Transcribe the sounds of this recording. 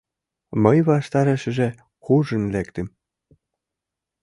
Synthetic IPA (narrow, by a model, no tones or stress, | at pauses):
məjβɑʃt̪ɑɾĕʃɘ̆ʒĕ | xuʒə̆nlekt̪ɘ̆m